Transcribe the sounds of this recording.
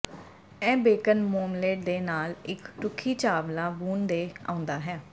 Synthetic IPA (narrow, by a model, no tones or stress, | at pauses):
ɛ̃ːbeːkənmoːmleːʈd̪eːnaːlɪkʈʊkʰːiːt͡ʃaːʋlãːbuːnd̪eːã̰ːʊ̃nd̪aːɦɛː